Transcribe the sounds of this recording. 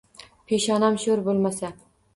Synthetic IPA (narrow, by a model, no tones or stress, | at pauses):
pʰeʃɒnamʃɵɾbolˠmasa